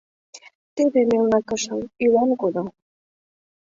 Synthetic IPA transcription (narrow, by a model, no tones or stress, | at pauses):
t̪eβemelnɑkɤ̆ʃə̆mylɑnkod̪ɤ̆